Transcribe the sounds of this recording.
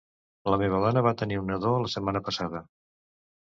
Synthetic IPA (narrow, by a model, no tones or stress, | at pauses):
ləmeβəðɔnəβ̞at̪əniunəðoələsəmːanəpəsaðə